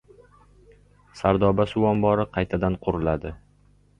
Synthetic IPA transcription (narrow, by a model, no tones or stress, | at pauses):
saɾd̪ɒbasʊwɒmbɒɾɪqʰɑjt̪ʰad̪anqʰʊɾɪlad̪ɪ